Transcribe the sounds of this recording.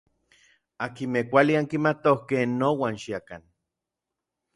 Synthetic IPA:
akimehkʷaliaŋkimat̪ohkenːowaːnʃiakan

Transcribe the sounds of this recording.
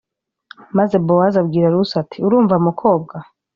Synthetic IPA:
maze̞bowazabɡiːɾaɾusatʰiuɾuːɱvamukʰo̞ːb̚ɡa

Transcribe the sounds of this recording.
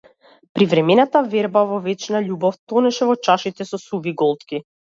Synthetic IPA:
pɾivɾɛmɛnat̪avɛɾbavɔvɛt͡ʃnaʎubɔft̪ɔnɛʃɛvɔt͡ʃaʃit̪ɛsɔsuviɡɔlˠt̪ki

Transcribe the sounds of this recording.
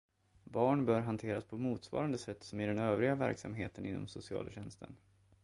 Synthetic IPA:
bɑːɳbœːɾɦant̪ʰeːɾaspʰɔmuːt̪svɑ̰ːɾand̪əsɛt̪ːsɔmɪɖɛnøːvɾɪɡavæ̰ɾksa̰mɦeːt̪ənɪnːɔ̰msʊsɪɑ̰ːlaɕɛnst̪ʰə̰n

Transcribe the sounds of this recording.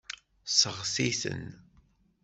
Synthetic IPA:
səʁsiθə̰n

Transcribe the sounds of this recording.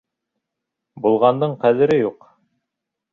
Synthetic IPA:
bulˠʁɑnd̪ɤɴqæðɘ̆ɾɘjuq

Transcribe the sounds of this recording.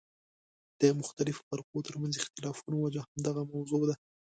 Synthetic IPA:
d̪̥əmʊxt̪alɪfbaɾxot̪əɾmanzɪxt̪ɪlɑfunowad͡ʒahamd̪aɣamawzod̪a

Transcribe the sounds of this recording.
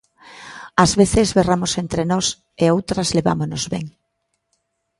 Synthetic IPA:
azβeθezβeramosent̪ɾenɔs | eowt̪ɾɐzleβa̰monozβḛŋ

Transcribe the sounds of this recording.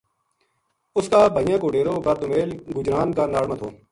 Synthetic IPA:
ʊskaːbʱəjãːkoːɖeːɾoːɡəɾd̪ʊmeːlɡʊd͡ʒɾaːnkaːnaːɽmət̪ʰo̰ː

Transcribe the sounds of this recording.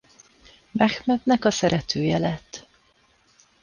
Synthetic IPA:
mɛxmɛt̪nɛkɒsɛɾɛt̪ʰøːjɛlɛt̪ː

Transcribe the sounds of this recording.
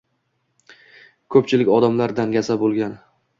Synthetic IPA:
kʰɵp̚t͡ʃʰɪlɪkʲɒd̪amlaɾd̪anɡʲasabolˠɡʲan

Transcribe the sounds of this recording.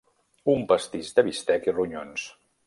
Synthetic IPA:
umpəst̪iʒd̪əβist̪ɛkiruɲons

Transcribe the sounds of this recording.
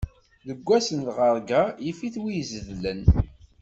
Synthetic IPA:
ðəɡʷːæsənt̪ʁəɾˤɡajifiθwijzðlən

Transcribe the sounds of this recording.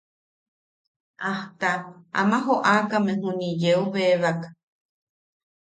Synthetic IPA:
ʔaht̪aa̰mãɦoʔakamẽɦũnid͡ʒeuβeβakḁ

